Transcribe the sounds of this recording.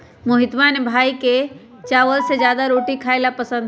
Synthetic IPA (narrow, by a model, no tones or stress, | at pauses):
moɦɪt̪ʋaːnbʱaːike | t͡ʃaːʋəlsed͡ʒjaːd̪aɾoːʈikʰaːɪlapəsə̃nd̪